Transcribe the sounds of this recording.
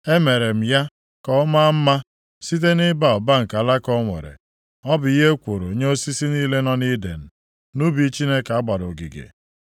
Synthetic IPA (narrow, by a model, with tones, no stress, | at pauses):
e˦me˨ɾe˨m̩˨ja˦ | kɔ˦ma˦m̩˦ma˦ | si˦t̬e˦nɪ˦ba˨ɔ˨ba˦ŋ̩˨ka˨la˦kɔ˦ŋʷḛ˨ɾḛ˨ | ɔ˦bʊ˨i˦ɦe˦kʷo˨ɾo˨ɲe˦o˦si˦si˦niː˦le˦nɔ˦ni˦dḛ˨n̩˨ | nu˦bi˨˦t͡ʃi˦ne˦ka˨a˦ɡ͡ba˨dɔ˨ɡḭ˨ɡḛ˨